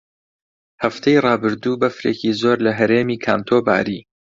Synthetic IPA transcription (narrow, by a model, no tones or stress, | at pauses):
hɐft̪ʰejrɑːbɨɾd̪uːbɐfɾeːcizoːɾlɐɦɐɾeːmiːkʰaːnt̪ʰoba̰ːɾiː